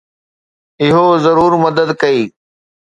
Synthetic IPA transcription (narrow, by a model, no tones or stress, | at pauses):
ɪɦozɐɾuːɾmɐd̪əd̪kɐiː